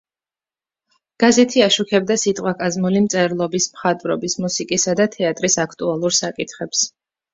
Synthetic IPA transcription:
ɡ̥azɛt̪ʰiaʃukʰɛb̚d̪asit̪ʼqʼwakʼazmulimt̪sʼɛɾlˠɔbismχat̪ʼvɾɔ̰bismusikʼisad̪at̪ʰɛat̪ʼɾisakʰt̪ʼualˠuɾsakʼit̪ʰχɛps

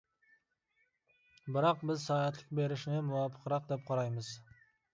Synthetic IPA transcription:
bɪɾɑqbɪzsɑɑt̪lˠɪq̚be̞ɾɪʃɪnɪmʊwɑpʰːə̥qɾɑq̚d̪ep̚qʰɑɾɑjməz

